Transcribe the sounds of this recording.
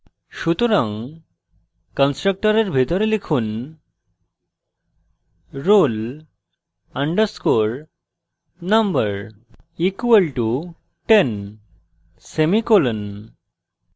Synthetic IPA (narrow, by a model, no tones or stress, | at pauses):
ʃut̪oɾãŋ | kənsʈɾək̚ʈəɾeɾbʱit̪ɔɾelikʰuːn | ɾol | əɳɖəɾskoɾ | nəmbəɾ | ikuʋəlʈu | ʈen | semikolən